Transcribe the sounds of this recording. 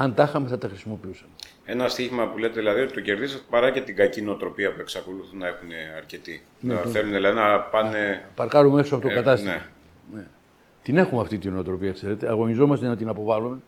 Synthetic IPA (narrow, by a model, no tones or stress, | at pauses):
ɐnd̪ɐxɐmeθɐt̪ɐxɾisimo̞piusɐme | e̞nɐst̪içimɐpule̞t̪eðilɐðiot̪it̪oce̞ɾðisɐt̪e̥pɐɾɐce̞t̪iɡɐcinoot̪ɾo̞piɐpue̞ksɐko̞luθunɐe̞xuneɐɾce̞t̪i | neθeluneðilɐðinɐpɐnepɐɾkɐɾumeesoɐftokɐt̪ɐst̪ | ne | t̪ine̞xumeɐft̪it̪ino̞ot̪ɾo̞piɐkse̞ɾe̞t̪e̞ɐɣo̞nizo̞mɐst̪enɐt̪inɐpo̞vɐlume̞